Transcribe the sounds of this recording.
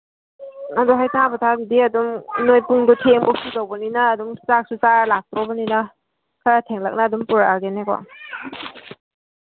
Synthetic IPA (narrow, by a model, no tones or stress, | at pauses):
adɔɦajtabɔtʰadidiadɔmnojpuŋdɔtʰeŋbɔk̚sudawbɔninaːdumsak̚sut͡ʃaɾlak̚tɾɔbanina | kʰaɾatʰeŋla̰k̚naːdumpuɾaaɡenekɔ̰